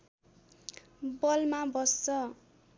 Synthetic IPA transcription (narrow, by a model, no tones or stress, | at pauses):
bʌlmabʌst͡sʌ